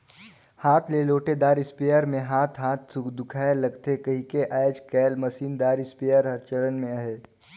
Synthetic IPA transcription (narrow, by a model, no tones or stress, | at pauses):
haːt̪ʰleloːʈed̪aːɾɪspejəɾmẽɦaːt̪ʰɦaːt̪sʊkd̪ʊkʰaːelɐɡt̪ekɐɦĩkeʔaːed͡ʒkɛːlmɐsiːnd̪aːɾɪspeːjəɾɦɐɾt͡ʃələnmẽɐɦeː